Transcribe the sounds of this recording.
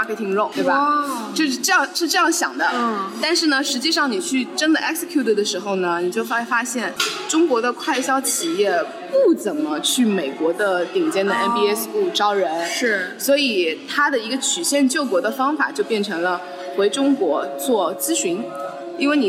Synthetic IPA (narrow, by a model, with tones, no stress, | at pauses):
kʰe˥˩t̪ʰi˧˩ŋɻo˥˩ʊt̪we˥˩ba˩t͡ɕjo˥˧ʊʂɻ̩˥˧ʈ͡ʂɤ˥˧jɑ˥˧ŋʂɻ̩˥˧ʈ͡ʂɤ˥˧jɑ˥˩ŋɕjɑ˨˩ŋd̪ə˦t̪a˥˧nʂɻ̩˥˩nə˩ʂɻ̩˧˥t͡ɕi˥˧ʂɑ˥˩ŋni˨˩t͡ɕʰy˥˩ʈ͡ʂə˥nd̪ə˨ʔɛ˥ksə˧kʰju˥˩t̪ə˩d̪ə˩ʂɻ̩˧˥xo˧ʊnə˩ni˨˩t͡ɕjo˥˩ʊfa˥˩fa˥ɕjɛ˥˩nʈ͡ʂʊ˥ŋkwɔ˧˥d̪ə˧kʰwa˥˩ɪɕjɑ˥ʊt͡ɕʰi˨˩jɛ˥˩ | pu˥˩t͡sə˨˩nmə˦t͡ɕʰy˥˩me˨˩ɪkwɔ˧˥d̪ə˧t̪i˨˩ŋt͡ɕjɛ˥˩nd̪ə˨ɛ˥npi˥ɛ˥su˥˩ʈ͡ʂɑ˥ʊɻə˧˥nɻ̩˥˩swɔ˧˥i˨˩t̪ʰa˥d̪ə˨i˧˥ɡə˧t͡ɕʰy˨˩ɕjɛ˥˧nt͡ɕjo˥˩ʊkwɔ˧˥d̪ə˧fɑ˥ŋfa̰˨˩t͡ɕjo˥˧ʊpjɛ˥˩nʈ͡ʂʰɤ˧˥ŋlə˧ | xwe˧˥ɪʈ͡ʂʊ˥ŋkwɔ˧˥t͡swɔ˥˩t͡sɹ̩˥ɕy˧˥n | i˥nwe˥˩ɪni˨˩